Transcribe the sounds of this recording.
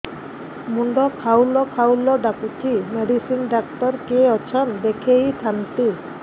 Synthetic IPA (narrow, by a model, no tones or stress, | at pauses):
muɳɖɔkʰawlɔkʰawlɔɖakutʰimeɖisinɖakt̪ɔɾkeɔt͡ʃʰɔnd̪ekʰejt̪ʰant̪i